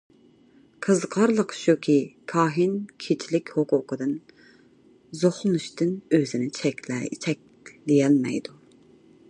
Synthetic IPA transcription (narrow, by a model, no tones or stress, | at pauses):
qʰəzʁɑɾlˠəqʃukʲʰikʰɑːɦɨnkʲʰet͡ʃʰlɪkʲhokʰoqɨd̪ɨn | zoχnˠuʃt̪ɨnøzɪnɪt͡ʃʰɛkʲlɛt͡ʃʰɛk̚ʲ | lijɛlmɛ̰jd̪u